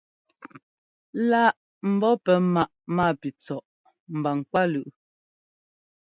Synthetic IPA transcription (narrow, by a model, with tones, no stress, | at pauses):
la˦ʔ | m̩˨bɔ˦pɛ˨ma˦ʔmaː˦˨pi˨t͡sɔ˨ʔ | m̩˨ba˨ŋ˨kwa˦lʉ˨ʔ